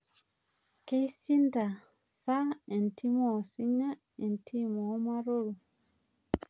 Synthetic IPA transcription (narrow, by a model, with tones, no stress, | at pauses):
ke˦isi˦nda˨ | sa˦e˨nti˦mo˨si˦ɲa˦ | e˨ntʰi˦mo˨˦ma˦ɾo˦ɾu˨